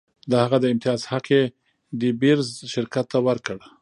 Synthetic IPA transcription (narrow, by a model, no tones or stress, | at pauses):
d̪əhaɣad̪əɪmt̪ɪjɑzhaqe | dibiɾzʃɪɾkat̪ːawəɾkəɽ